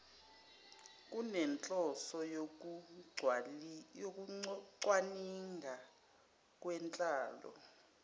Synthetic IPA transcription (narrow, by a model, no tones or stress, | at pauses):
k̬ʼunɛnt͡ɬʼɔsɔjo | wjok̬ʼuǀwaniŋʱa | k̬ʼwɛnt͡ɬʼaːlɔ̰